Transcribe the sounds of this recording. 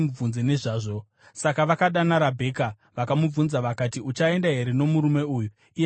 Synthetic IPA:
mub͡vunzene̞ʐaːʐo̞ | sakaʋakaɗanaɾabʱe̞ːka | ʋakamub͡vunzaʋakatiut͡ʃae̞ndaɦe̞ɾe̞no̞muɾume̞uːju | i

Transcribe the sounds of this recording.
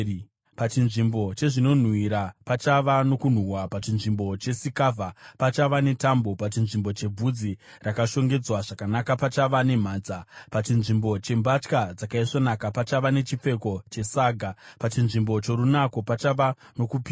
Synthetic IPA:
pat͡ʃinʐimbo̞t͡ʃe̞ʐino̞n̤wiɾapat͡ʃaʋano̞kun̤uwapat͡ʃinʐimbo̞t͡ʃe̞sikavʱapat͡ʃaʋane̞tambo̞pat͡ʃinʐimbo̞t͡ʃe̞b͡vud͡zi | rakaʃo̞ŋɡe̞d͡zwaʐakanakapat͡ʃaʋane̞m̤aːnd͡zapat͡ʃinʐimbo̞t͡ʃe̞mbat͡ʃkad͡zakaiʂonakapat͡ʃaʋane̞t͡ʃip͡fe̞ko̞t͡ʃe̞saːɡʱapat͡ʃinʐimbo̞t͡ʃo̞ɾunako̞pat͡ʃaʋano̞kupia

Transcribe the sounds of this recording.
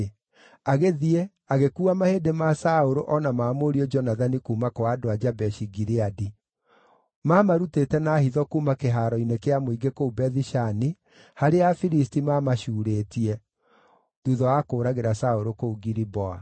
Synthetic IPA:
aɣeðiɛ | aɣekuːamahedemasaoɾoʔɔnamaːmoɾiɔd͡ʒɔnaðanikuːmakoaːdoad͡ʒabɛʃiɡiɾeadi | mamaɾutetɛnaːhiðɔkuːmakeɦaːɾɔinekeamoiɡekoubɛðiʃani | haɾeafiɾistimamaʃuːɾeːtiɛ | ðuðɔakoːɾaɣeɾasaoɾokouɡiɾibɔa

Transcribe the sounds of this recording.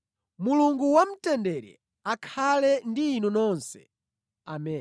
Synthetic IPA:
muluŋɡuwam̩tɛndɛɾɛ̰ | akʰalɛndiːnunɔnsɛ̥̰ | a̰mɛ

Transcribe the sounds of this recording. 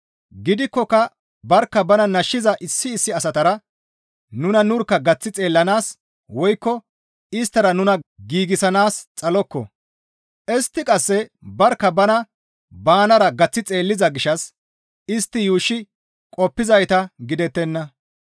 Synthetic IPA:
ɡɪd̪ɪkːɔkɐ | bɐɾkːɐbɐnɐnɐʃːɪzɐʔɪsːɪːsːɪɐsɐt̪ɐɾɐ | nʊnɐnʊɾkːɐɡɐt͡sːɪt͡sʼe̞ːlːɐnaːs | wɔjkːɔ | ɪst̪ːɐɾɐnʊnɐɡiːɡɪsɐnaːst͡sʼɐlɔkːɔ̰ | ʔɛst̪ːɪkʼɐsːɛbɐɾkːɐbɐnɐ | baːnɐɾɐɡɐt͡sːɪt͡sʼe̞ːlːɪzɐɡɪʃɐs | ɪst̪ːɪjuːʃːɪ | kʼɔpːɪzɐjt̪ɐɡɪd̪ɛt̪ːɛnːɐ

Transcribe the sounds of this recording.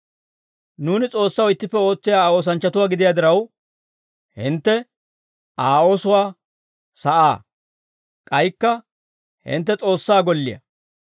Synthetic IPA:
nuːnɪt͡sʼo̞ːsːɐwɪt̪ːɪpːɛo̞ːt͡sːɪjaːo̞ːs̬ɐnt͡ʃːɐt̪ʊwaːɡɪd̪ɪjaːd̪ɪɾɐw | hɪ̰nt̪ːɛ | ʔaːo̞ːsʊwaː | sɐʔaː | kʼɐjkːɐ | hɪ̰nt̪ːɛt͡sʼo̞ːsːaːɡɔlːɪjɐ̰

